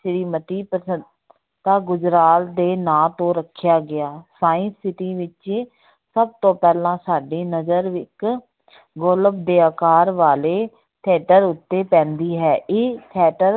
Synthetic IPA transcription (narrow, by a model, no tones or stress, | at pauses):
ʃɾiːmət̪iːpəə | t̪ãːɡʊd͡ʒɾaːt̪d̪eːnãːt̪õːɾəkʰːjaːɡɪaːsaːɪ̃nsɪʈiːʋɪt͡ʃ | səb̚t̪õːpɛːlãːsaːɖeːnəzəɾʋɪk | ɡoːləbd̪eːaːkaːɾʋaːleː | t̪ʰɛːʈəɾʊt̪ːeːpɛ̃ːnd̪iːɦɛːʔɪt̪ʰɛːʈəɾ